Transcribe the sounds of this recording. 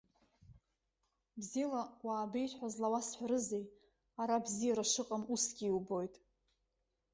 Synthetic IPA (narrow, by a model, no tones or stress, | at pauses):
bzilawaːbejħʷazlawasħʷaɾɨzej | aɾabzijaɾaʂɨqʼamusɡʲiːwbo̞jtʼ